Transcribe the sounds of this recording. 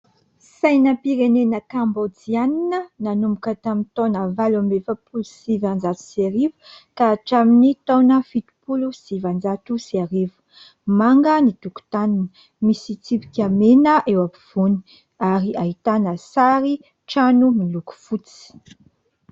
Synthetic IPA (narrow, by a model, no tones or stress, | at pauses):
sajnəpiɾenenəkambod͡zianinənanumukət̪amit̪onəvalambefəpulusivand͡zat̪u̥seɾivu̥kaːʈ͡ʂaminit̪onəfit̪u̥pulusivand͡zat̪usiaɾivu̥ | maŋɡənit̪uku̥t̪aninə̥ | misit͡sipi̥kʲamenəʔewapiv̥uni̥ | aɾiʔaɦit̪anəsaɾi | ʈ͡ʂanumiluku̥fut͡si̥